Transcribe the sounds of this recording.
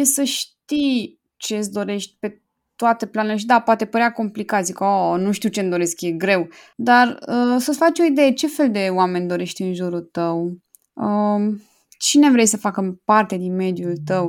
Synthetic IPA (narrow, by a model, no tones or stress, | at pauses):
jesəʃt̪ij | t͡ʃe̞sd̪o̞ɾe̞ʃt̪ʲpe̞ | t̪oat̪əplanuleʃ̬id̪apoat̪e̞pəɾeako̞mplikat̪zikəonuʃt̪iwt͡ʃend̪o̞ɾe̞skje̞ɡɾe̞w | d̪arəsəsfat͡ʃʲo̞id̪e̞jet͡ʃe̞fe̞ld̪e̞oame̞nʲd̪o̞ɾe̞ʃt̪ʲɨnʒuɾult̪əw | ə | t͡ʃine̞vɾe̞jsəfakəmpart̪e̞d̪inme̞d̪jult̪əw